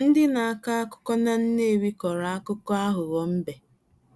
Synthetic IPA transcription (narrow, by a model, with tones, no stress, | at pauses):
n̩˦dɪ˦na˨a˦ka˦a˦kʊ̥˦kɔ˦na˦n̩˦ne˦˨ɾi˦kɔ˨ɾa˨a˦kʊ˦kɔ˦a˦ɦʊ˨ɣɔ˨m̩˦be˨